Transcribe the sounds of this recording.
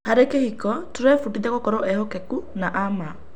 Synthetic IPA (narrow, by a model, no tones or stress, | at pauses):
haɾekehikɔtuɾɛfutidɛkokɔɾɔʔɛhokɛkunaʔama